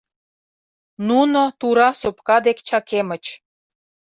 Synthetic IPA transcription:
nunot̪uɾɑsopkɑd̪ekt͡ɕɑkemə̆t͡ɕ

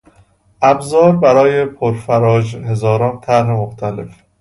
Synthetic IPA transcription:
ʔæbzɒːɾbæɾɒːjepʰoɾfæɾɒːd͡ʒhe̞zɒːɾɒːnt̪ʰæɾɦemoxt̪ʰælḛf

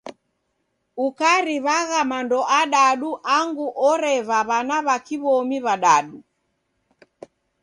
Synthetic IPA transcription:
ukaɾiβaɣamandɔʔaɗaɗuʔaŋɡuʔɔɾɛβaβanaβakiβɔmiβaɗaɗu

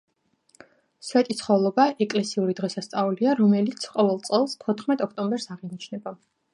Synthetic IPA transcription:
swɛt̪ʼit̪sʰχɔlˠɔbaʔɛkʼlɛsiuɾid̪ʁɛsast̪sʼauliaɾɔmɛlit̪sʰqʼɔvɛlˠt̪sʼɛlˠst̪ʰɔt̪ʰχmɛt̪ʼɔkʰt̪ʼɔmbɛɾsaʁinit͡ʃʰnɛba

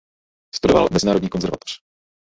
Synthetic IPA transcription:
st̪udova̰lmɛzɪnaːɾodɲiːkonzɛɾva̰t̪o̥r̝̥

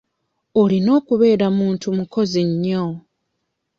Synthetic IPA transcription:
olino̞ːkuβe̞ːɾamuːntumuko̞ziɲːo

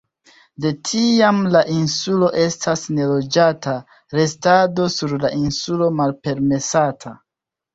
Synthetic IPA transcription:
de̞tʰiamlaʔinsulo̞ʔe̞stʰasne̞lo̞d͡ʒatʰa | ɾe̞stado̞suɾlaʔinsulo̞malpe̞ɾme̞satʰa

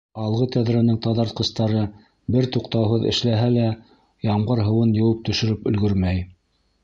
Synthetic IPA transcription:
ɑlˠʁɤt̪æðɾænɘŋt̪ɑðɑɾt̪̚qɤ̆st̪ɑɾɤ | bɘɾt̪uqt̪ɑwɦɤðɘ̰̆ʃlæɦælæ | jɑɴɢɤɾɦɤ̆wɤnjɤ̆wɤp̚t̪ɵ̆ʃɵ̆ɾɘpɵ̆lɡɵɾmæj

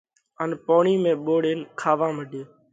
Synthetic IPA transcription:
ənpoːɳiːmẽːɓoːɽeːnkʰaːʋãːməɖʱeː

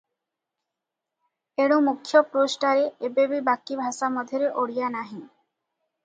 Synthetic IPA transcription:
eɽomukʰːjopɾosʈaɾeebebibakːibʱaʃamɔd̪ʱeɾeʔoɽijanaɦĩ

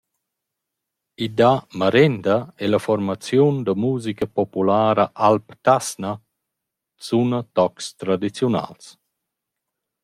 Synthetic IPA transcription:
id̪amaɾɛnd̪aɛlafɔɾmat͡sjund̪əmuːzikəpɔpulaːɾaʔalpt̪asna | sunət̪ɔkst̪ɾad̪it͡sjuna̰ls

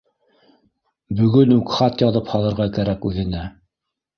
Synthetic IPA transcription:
bɵ̆ɡɵnʉkχɑt̪jɑðɤphɑlˠɤ̆ɾʁɑkæɾækʉðɘ̆næ

